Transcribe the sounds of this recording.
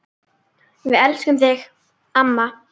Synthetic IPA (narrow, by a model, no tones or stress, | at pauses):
vɪðɛlskʏmθɪx | amːa